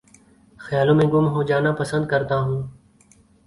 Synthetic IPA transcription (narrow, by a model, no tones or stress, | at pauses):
xjaːlõːmẽːɡʊmɦoːd͡ʒaːnaːpəsə̃nd̪̚kəɾt̪aːɦũː